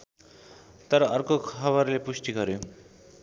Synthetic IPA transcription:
t̪ʌɾʌʌrkokʰʌβʌɾlepusʈiɡʌɾjo

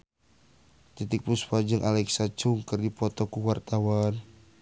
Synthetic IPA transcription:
t̪it̪ik̚puspad͡ʒɨŋʔalɛksat͡ʃuŋkɨrdipɔt̪ɔkuwart̪awan

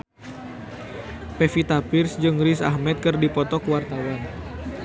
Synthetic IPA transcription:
pɛfit̪apirsd͡ʒɨŋɾisa̰hmɛt̪̚kɨrdipɔt̪ɔkwart̪awan

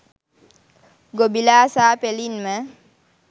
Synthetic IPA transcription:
ɡobilaːsaːpelinmə

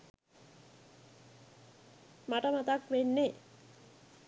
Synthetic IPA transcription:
maʈəmat̪akʋenːe

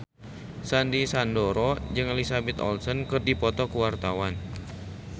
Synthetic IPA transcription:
sandisandɔɾɔd͡ʒɨŋelisabɛt̪ɔ̰lsɔnkɨrdipɔt̪ɔkuwart̪awan

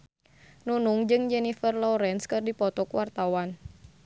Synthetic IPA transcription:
nunuŋd͡ʒɨŋd͡ʒɛnifərlɔɾɛnskɨrdipɔt̪ɔkwart̪awan

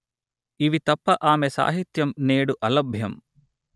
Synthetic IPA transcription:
iʋit̪ɐpːɐʔaːmesa̰ːɦit̪jɐmneːɽuʔɐlɐbʱjɐm

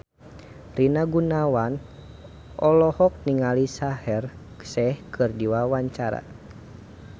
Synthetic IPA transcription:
rinaɡunawan | ɔlɔhɔk̚niŋalisahɛrksɛhkʰɨrdiwawaɲt͡ʃaɾa̰

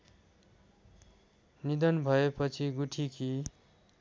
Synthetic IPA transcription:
nid̪ʌnbʱʌepʌt͡sʰiɡuʈʰiki

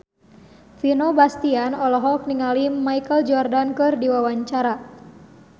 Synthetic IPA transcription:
finobast̪ianɔlɔɦɔk̚niŋalimaikəld͡ʒɔrdankɨrdiwawaɲt͡ʃaɾa

